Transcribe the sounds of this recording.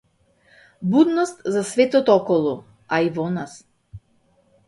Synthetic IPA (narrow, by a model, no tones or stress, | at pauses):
bud̪nɔst̪zasvɛt̪ɔt̪ɔɔkɔlˠɔ | aivɔnas